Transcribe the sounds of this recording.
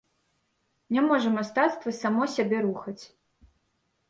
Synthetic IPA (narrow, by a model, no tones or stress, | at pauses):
nʲamɔʐɐmast̪at̪st̪vɐsamɔsʲabʲɛɾuxɐt͡sʲ